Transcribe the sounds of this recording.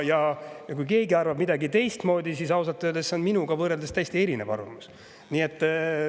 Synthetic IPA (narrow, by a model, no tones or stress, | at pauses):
jɑjɑkujke̞ːɡiɑrvɑbmid̪ɑɡit̪e̞jst̪mo̞ːd̪isisɑwsɑt̪ːˑød̪esːeo̞nminuɡ̥ɑvɤːɾeld̪est̪æjsʲt̪ie̞ɾine̞̰vɑ̰rvɑ̰mus | niːe̞t̪ːˑ